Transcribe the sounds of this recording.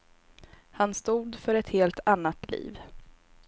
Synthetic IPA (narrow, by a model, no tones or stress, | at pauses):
hanst̪uːd̪fœɾɛt̪heːlt̪ʰanːat̪lḭːv